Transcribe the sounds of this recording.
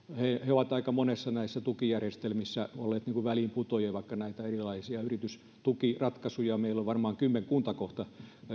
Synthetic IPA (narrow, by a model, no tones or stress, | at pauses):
heheoʋɑt̪ɑikɑmonesːɑnæisːæt̪ukijærjest̪elmisːæolːeːt̪niːŋkuʋæliːmput̪ojɑʋɑikːɑnæit̪æerilɑisiɑyrit̪ys | t̪ukirɑt̪kɑsujɑmeilːoʋʋɑrmɑːŋkymːeŋkunt̪ɑkoht̪ɑ